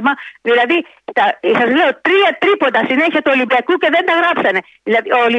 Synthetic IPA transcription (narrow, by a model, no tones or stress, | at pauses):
mɐðilɐði | t̪ɐsɐzle̞o̞t̪ɾiɐt̪ɾipo̞d̪ɐsine̞çiɐt̪uo̞limbiɐkuce̞ðe̞nd̪ɐɣɾɐpsɐne̞ | ðilɐiooli